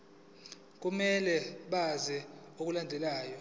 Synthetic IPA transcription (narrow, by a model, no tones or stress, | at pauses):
k̬umɛlɛɓazɛok̬ulandʱɛlaːjɔ